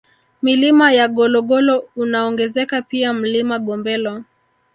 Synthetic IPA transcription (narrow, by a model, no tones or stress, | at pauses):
milimajaɠɔlɔɠɔlɔunaɔŋɡɛzɛkapiam̩limaɠɔmbɛlɔ